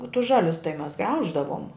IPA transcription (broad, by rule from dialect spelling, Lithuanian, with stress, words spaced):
oː tʊs ˈʒɑːlʲʊs tɐɪ mʲɛs ˈɡrɐʊʒdɐʋoːm